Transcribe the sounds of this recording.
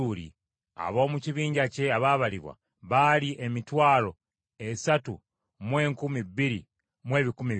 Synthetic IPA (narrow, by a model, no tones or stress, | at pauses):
ulḭ | a̰βo̞ːmuciβiːɲɟace̞aβaβaliβwa̰ | βaliʔe̞mitwaːlo̞ | esatu | mwe̞ːŋkumiβiɾḭ | mwe̞ːβikumi